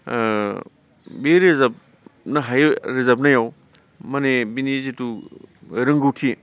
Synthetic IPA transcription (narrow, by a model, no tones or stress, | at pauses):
beɾezɐp̚ | nɐɦajɾezap̚najaw | mɐnebinizitu | ɾɯŋɡɯwtʰi